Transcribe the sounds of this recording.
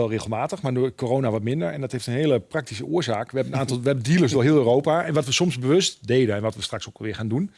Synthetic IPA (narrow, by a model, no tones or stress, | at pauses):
ɛlˠreːɣəlˠmaːtəxmaːɹdʊːkoroːnaʋɔtmɪndərɛndɔtheftənɦeəlˠəprak̚tisəʊəɹzaːkʋəɦɛbənaːntɔlˠʋəɦɛbəndilˠəsdʊːɦɪəlˠøːroːpaɛnʋɔtʋəsɔmzbəʋøstdeːdənɛnʋɔtʋəstraksokɛlˠʋɪəɹχaːndun